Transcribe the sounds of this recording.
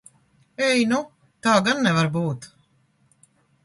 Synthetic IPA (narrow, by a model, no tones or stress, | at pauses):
ɛjnu | t̪aːɡanːɛvaɾbuːt̪